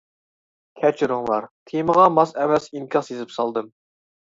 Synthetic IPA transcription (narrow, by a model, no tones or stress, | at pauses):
kʲʰɛt͡ʃʰɾʊŋlˠɑ̰ɾt̪ʰiməʁɑmɑsɛmɛsinkʲʰɑsjezɪpsɑlˠd̪ɨm